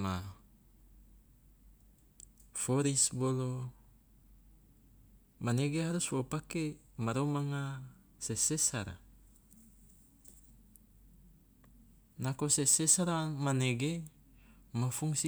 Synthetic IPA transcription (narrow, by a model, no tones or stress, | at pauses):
ma | foɾisbolo | maneɡeɦaɾuswopakemaɾomaŋa | sesesaɾa̰ | nakosesesaɾamaneɡe | mafuŋsi